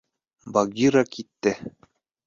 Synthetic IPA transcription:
baɡʲiɾɑkit̪ːɘ

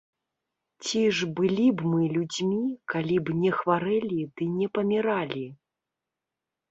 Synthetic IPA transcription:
t͡sʲiʐbɨlʲibmɨlʲud͡zʲmʲikalʲibnʲɛxvaɾɛlʲid̪ɨnʲɛpɐmʲiɾalʲi

